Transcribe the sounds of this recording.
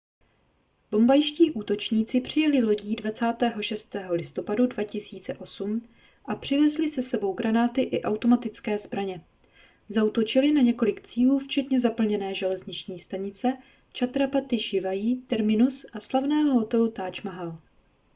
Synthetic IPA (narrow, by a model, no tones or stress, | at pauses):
b̥o̞mbajʃciːʔuːt̪o̞t͡ʃɲiːt͡sɪpr̝̥ɪjɛlɪlo̞ɟiːdvat͡saːt̪ɛːɦo̞ʃɛst̪ɛːɦo̞lɪst̪o̞padudvacɪsiːt͡sɛʔo̞sum | ʔapr̝̥ɪvɛzlɪsɛsɛbo̞wɡɾanaːt̪ɪʔɪʔawt̪o̞mat̪ɪt͡skɛːzbɾaɲɛ | zaut̪o̞t͡ʃɪlɪnaɲɛko̞lɪkt͡siːluːft͡ʃɛt̪ɲɛzapl̩ɲɛnɛːʒɛlɛzɲɪt͡ʃɲiːst̪aɲɪt͡sɛ | t͡ʃat̪ɾapat̪ɪʃɪvajiːt̪ɛɾmɪnusʔaslavnɛːɦoɦo̞t̪ɛlut̪aːt͡ʃmaɦal